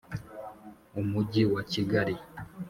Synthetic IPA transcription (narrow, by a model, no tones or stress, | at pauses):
umuɟiwat͡ʃiɡaɾi